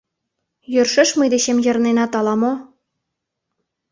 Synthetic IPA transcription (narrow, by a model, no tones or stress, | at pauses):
jørʃɘ̆ʃməjd̪eɕemjɤ̆ɾnenɑt̪ɑlɑmo